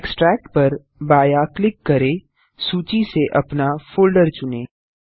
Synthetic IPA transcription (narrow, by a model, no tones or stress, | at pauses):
ksʈɾɛːk̚ʈpɐɾ | baːjaklɪkːɐɾẽ | suːt͡ʃiseʔɐpnafoːlɖəɾt͡ʃʊnẽː